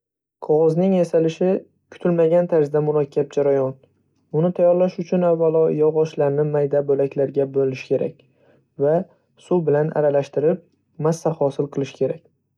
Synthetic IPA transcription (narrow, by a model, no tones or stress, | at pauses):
qʰɒʁɒznɪŋasalɪʃɪ | kʰʊ̥t̪ʰɪlmaɡʲant̪ʰaɾzd̪amʊlˠakʲʰːap̚d͡ʒaɾajɒn | ʊnɪt̪ʰajɒɾlaʃʊt͡ʃʰʊnavːalˠɒjɒʁɒʃlaɾnɪmajd̪abolakʲʰlaɾɡʲabolɪʃɪ̥kʲʰe̞ɾʔa̰kʲ | va | subɪlanʔa̰ɾalaʃt̪ɪɾɪp̚ | masːahɒsɪlˠqʰɨlˠɪʃɪ̥kʲʰe̞ɾakʲ